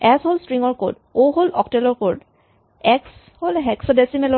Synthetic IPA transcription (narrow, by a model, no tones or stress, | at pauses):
ɛsholstɹiŋɔɹko̰d | oɦolɔktɛlɔɹkoɹd | ɛks | holɦɛksɔdɛsimɛlɔ